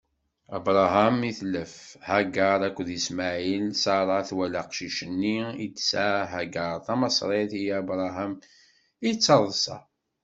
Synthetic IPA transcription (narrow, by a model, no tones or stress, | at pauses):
æbɾˤɑɦæmiθlːəfhæɡəɾˤækʷːðəsmaʕilsɑɾˤɑθwælaqʃiʃənːiid̪saɦæɡɑɾˤθɑmɑsˤɾˤeθijæbɾˤɑɦæm | it͡sːəɾˤsɑ̰